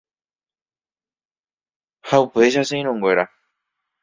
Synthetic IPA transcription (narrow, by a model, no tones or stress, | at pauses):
haupe̞ʃaseĩɾ̃õŋɡʷwe̞ɾa